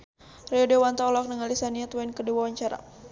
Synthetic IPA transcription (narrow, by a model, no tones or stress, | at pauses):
riɔdewant̪aɔlɔk̚nəŋalisaniat̪wɛnkədiwawaɲt͡ʃaɾa̰